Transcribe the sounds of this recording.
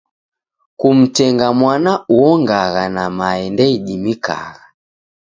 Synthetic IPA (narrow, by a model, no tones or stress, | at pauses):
kum̩tɛŋɡamwanauɔŋɡaɣanamaɛndɛiɗimika̰ɣa